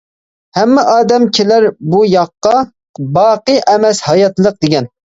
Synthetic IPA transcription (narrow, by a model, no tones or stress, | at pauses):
hɛmːɪʔɑːd̪ɛmkʲʰelæɾbujɑqːɑ | bɑːqɨʔɛmɛshɑjɑt̪lˠəq̚d̪ɪɡʲɛn